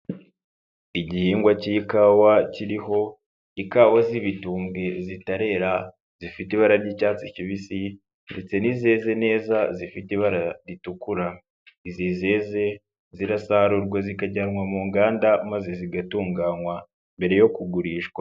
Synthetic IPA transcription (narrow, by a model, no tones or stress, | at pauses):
iɟihiːŋɡwaciikaːwaciɾiɦo̞ | ikawaziβituːmɡe̞zitaɾe̞ːɾa | z̥ifitiβaɾaɾicaːt͡siciβisi | nde̞t͡se̞niːze̞ːze̞ne̞ːzazifitiβaɾaɾitukuɾa | izize̞ːze̞ | ziɾasaɾuɾɡwazikaɟanŋwamuːŋɡaːndamazeziɡatuːŋɡaːnwa | mbe̞ɾe̞jo̞kuɡuɾiːʃɡwa